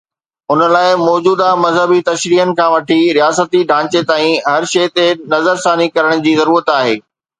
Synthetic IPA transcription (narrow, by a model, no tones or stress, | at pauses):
ʊnə̆laːɪmɔːd͡ʑuːd̪amɐzɦəbit̪ɐʃɾiːɦənɪ̆kʰãːʋɐʈʰiɾijaːsət̪iɖʱãːt͡ɕet̪aːĩɦɐɾʃɐːt̪enɐzəɾsaːnikɐɾəɽ̃d͡ʑiːzɐɾuːɾət̪aːɦḛː